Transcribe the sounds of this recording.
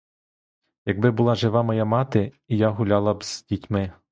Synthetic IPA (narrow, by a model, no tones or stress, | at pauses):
jɐɡ̚bɪbʊlˠɑʒɪʋɑmɐjamɑt̪ɪ | ijaɦʊlʲɑlˠɐbz̥dʲitʲmɪ